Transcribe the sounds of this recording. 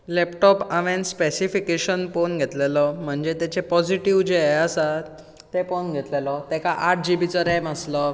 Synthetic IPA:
lɛpʈɔpaʋẽnspesifikeɕənponɡʱet̪lelɔm̤əɳd͡ʑet̪et͡ɕepɔd͡ʑiʈiʋd͡ʑeəsa | t̪ːeponɡʱet̪lelɔt̪ɛkaʔaʈ̚d͡ʑibit͡səɾeməslɔ

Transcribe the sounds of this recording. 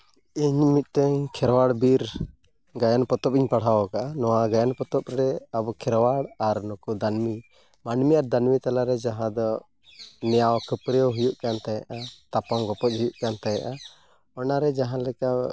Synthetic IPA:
iɲmit̪̚ˀʈɛɲkʰɛɾwaɽbiɾ | ɡajanpɔt̪ɔp̚iɲpaɽ̤awɔkaʔanɔwaɡajanpɔt̪ɔpɾɛabɔkʰɛɾwaɽaɾnɔkud̪ʱanmi | manmiaɾd̪anmit̪alaɾɛd͡ʒaɦãd̪ɔ | nɛjawkəpɾɛwɦujuʔkant̪ajaʔat̪apamɡɔpɔt̪̚ˀɦujuʔkant̪aja̰ʔa | ɔnaɾɛd͡ʒaɦãlɛka

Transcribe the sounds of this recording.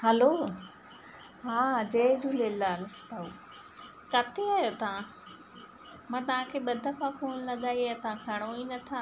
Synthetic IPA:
həloː | ɦãːd͡ʑeːd͡ʑuːleːlaːlst̪au | kɐt̪ʰeaːjot̪ɐã | mãːt̪ɐʋ̤ãkʰeːɓɐd̪ʱəpʰãfoːnlɐɠaːiaːjt̪ɐãkʰɐɽ̃oinɐt̪ʰaː

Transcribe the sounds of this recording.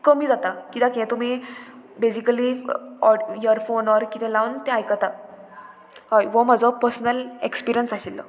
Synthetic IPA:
kəm̤iːd͡zat̪akit̪akiɛ̃t̪um̤ibed͡ʑikəliɔjəɾfonɔɾkit̪ʰɛ̃laʋnt̪ɛ̃ajkət̪a | ɦajʋɔmad͡zɔpəɾsnəlekspiɾijənsaɕilːɔ̰

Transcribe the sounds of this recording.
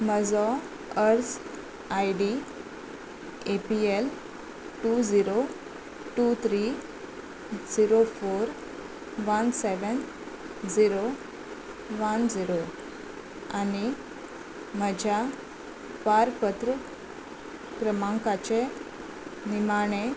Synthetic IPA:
məd͡zɔ | əɾs | ajɖi | epiel | ʈud͡ziɾo | ʈut̪ʰɾi | d͡ziɾofoɾ | ʋənseʋən | d͡ziɾo | ʋənd͡ziɾo | ani | məd͡ʑʱja | paɾpət̪ɾə | kɾəmãŋkat͡ɕe | nimaɽ̃e

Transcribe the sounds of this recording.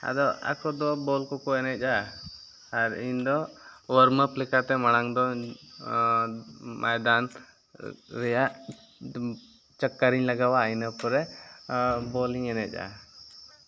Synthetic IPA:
a̰d̪ɔa̰kɔd̪ɔbɔlkɔkɔɛnɛt̪̚ˀʔaː | ɾḭɲd̪ɔwəɾməplɛkat̪ɛmaɽ̃aŋd̪ɔ | mʔajd̪an | ɾɛjaʔ | t͡ʃəkːaɾiɲlaɡawainəpɔɾɛ | bɔliɲɛnɛt̪̚ˀa̰

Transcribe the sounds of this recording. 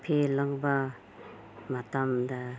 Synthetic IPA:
pʰelaŋba | matamda

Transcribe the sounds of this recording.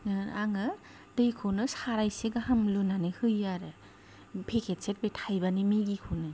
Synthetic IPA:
aŋɯ | dɯjkʰonɯsaɾajseɡaɦamlunanɯhɯjaɾɯ | pʰekʰet̚set̚betʰajbanimeɡikʰonɯ

